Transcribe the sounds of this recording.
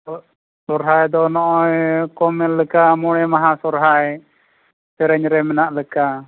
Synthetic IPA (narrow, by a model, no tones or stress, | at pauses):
sɔɾɦaɛd̪ɔnɔʔɔjkɔmɛlːəkamɔɽ̃ɛmaɦasɔɾɦaɛ | sɛɾɛɲɾɛmɛnaʔləka